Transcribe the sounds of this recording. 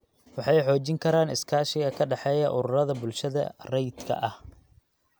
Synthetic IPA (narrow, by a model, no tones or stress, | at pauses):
wɑħɑjħɔːt͡ʃɪŋkʰɐɾaːnɪskʰaːʃɪɣɐkʰɐɖɑħɛːjɐʔʊɾʊrɐðɐbʊlʃɐðɐ̰rɛjd̪kʰɐ̰ʔɐh